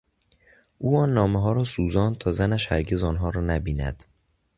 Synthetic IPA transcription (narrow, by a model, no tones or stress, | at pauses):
ʔuːɒːnːɒːmeɦɒːɾɒːsuːzɒːnt̪ʰɒːzænæʃhæɾɟe̞zɒːnɦɒːɾɒːnæbiːnæ̰d̪̥